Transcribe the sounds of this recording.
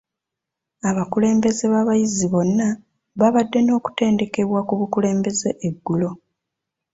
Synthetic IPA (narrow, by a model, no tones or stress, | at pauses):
aβakule̞ːmbe̞ze̞βaβajiziβo̞nːa | βaβadːe̞no̞ːku̥te̞ːnde̞ke̞βwakuβukule̞ːmbe̞ze̞ʔeɡːulo̞